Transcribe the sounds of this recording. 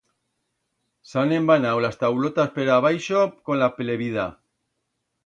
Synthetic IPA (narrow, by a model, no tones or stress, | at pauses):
sanembanawlast̪awlot̪aspeɾaβ̞ajʃoko̞nlapeleβiða